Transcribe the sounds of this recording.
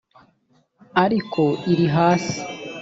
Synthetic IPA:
aɾikʰo̞iɾiɦaːsi̥

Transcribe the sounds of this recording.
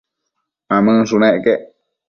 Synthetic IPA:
ãmɨ̃suñẽʔkeʔ

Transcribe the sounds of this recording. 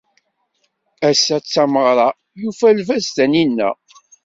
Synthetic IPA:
æsːæt͡sːæməʁɾˤɑ | jufælvæst̪æninːæ̰

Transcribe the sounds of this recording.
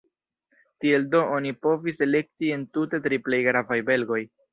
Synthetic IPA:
tie̞ldo̞onipo̞vise̞le̞k̚tie̞ntute̞tɾiple̞jɡɾavajbe̞lɡo̞j

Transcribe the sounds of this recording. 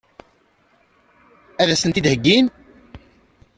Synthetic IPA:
æðæsənt̪id̪həɡːin

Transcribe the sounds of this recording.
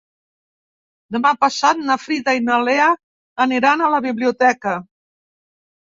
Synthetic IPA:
d̪əmapəsat̪̚nəfɾit̪ainaleəː | niɾanələβiβliut̪ɛkə

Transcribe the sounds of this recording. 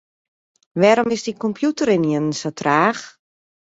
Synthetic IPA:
ʋɛɾomɪsdikɔmpʰjutəɾɪnjənnsotʰraːx

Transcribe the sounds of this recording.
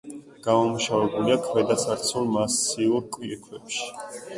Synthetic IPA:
ɡ̥amamuʃavɛbuliakʰmɛd̪asaɾt̪sʰulˠmasiuɾkʼwiɛkʰwɛpʃi̥

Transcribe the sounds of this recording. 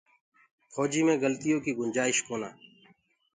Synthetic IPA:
kʰoːd͡ʒiːmẽːɡəlt̪ɪjõːkiːɡʊnd͡ʒaːɪʃkoːna̰ː

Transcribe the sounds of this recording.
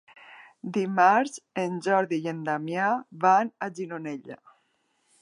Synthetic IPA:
d̪imaɾzend͡ʒɔɾðijend̪amjaβanad͡ʒinoneʎa̰

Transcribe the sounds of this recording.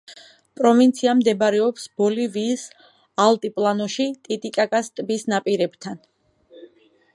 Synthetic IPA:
pʼɾɔvint̪sʰiamd̪ɛbaɾɛɔpsbɔliviːs | alˠt̪ʼipʼlˠanɔʃit̪ʼit̪ʼikʼakʼast̪ʼbisnapʼiɾɛb̥t̪ʰan

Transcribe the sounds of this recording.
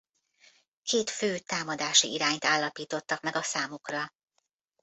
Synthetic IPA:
kʰeːt̪føːt̪aːmɒd̪aːʃiiɾaːɲt̪aːlːɒpiːt̪o̞t̪ːɒkmɛɡɒsaːmukrɒ

